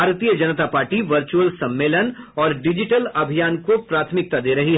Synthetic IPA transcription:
aːɾt̪ijəd͡ʒɐnət̪apaːɾʈiʋɐɾt͡ʃuəlsɐ̃mːeːlənɔːɾɖɪd͡ʒɪʈəlɐbʱijaːnkopɾaːt̪ʰmɪk̚t̪ad̪eːɾɐɦiɦ

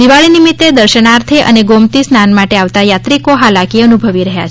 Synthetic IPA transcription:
d̪iʋaɭinimit̪ːed̪əɾʃənaɾt̪ʰeʔə̰neɡomt̪isnanmaʈeaʋt̪ajat̪ɾikoɦalakiənubʱəʋiɾəɦja̰t͡ʃ

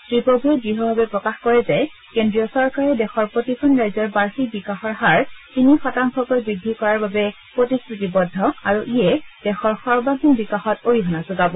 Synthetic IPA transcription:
tɹipoɡʱɛɡɹiɦɔbʱabɛpɹɔkaxkɔɹɛzaj | kendɹiɔsɔɹkaɹɛdɛxɔɹpotipʰɔnɹajzɔɹbaɹxikbikaxɔɹɦaɹtinixɔtaŋkɔkojbɹidʱːikɔɹaɹbabɛ | pɹotistɹitibɔdʱːɔaɹuʔijɛd̥ɛxɔɹxɔɹbaɦinbikaxɔtoɹiɦɔnazoɡabɔ

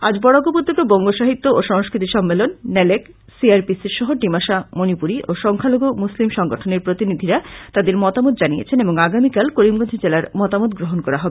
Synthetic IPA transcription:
ad͡ʑbɔɽoɡopod̪ʱːek̪obɔŋɡoʃaɦit̪ːooʃɔŋskɾit̪iʃɔmːelonːɛlek | siaɾpisiɾʃɔɦoɖimaʃamonipuɾiʔoʃɔŋkʰaloɡomuslimʃɔŋɡoʈʰoneɾpɾot̪inid̪ʱiɾat̪ad̪eɾmɔt̪amot̪̚d͡ʑanijḛt͡ɕʰeneboŋaɡamikalkoɾimɡod̪ʱid͡ʑelaɾmɔt̪amot̪ɡɾoɦonkɔɾaɦɔbe

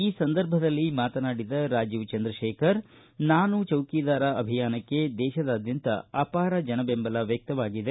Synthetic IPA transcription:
iːsɐnd̪ɐɾbʱɐd̪ɐlːimaːt̪ɐnaːɽid̪ɐɾaːd͡ʒiːʋt͡ʃɐnd̪ɾɐʃeːkʰɐɾ | naːnut͡ʃɐwkiːd̪aːɾɐʔɐbʱijaːnɐkːe̞d̪ɛːʃɐd̪aːd̪jɐnt̪ɐ̰ɐpaːɾɐd͡ʒɐnɐbembɐlɐʋjɐk̚t̪ɐʋaːɡid̪e

